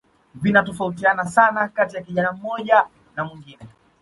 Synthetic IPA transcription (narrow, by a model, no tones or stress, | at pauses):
vinatɔfaut̬ianasanakatijakiʄanam̩mɔʄa | namwiŋɡinɛ